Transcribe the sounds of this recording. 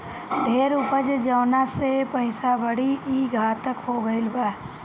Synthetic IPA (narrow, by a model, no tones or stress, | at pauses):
ɖ̪ʱeːɾʊpəd͡ʒd͡ʒəːnasepəɪsabəɽiiːɡʱaːt̪əkhoːɡəɪlbaː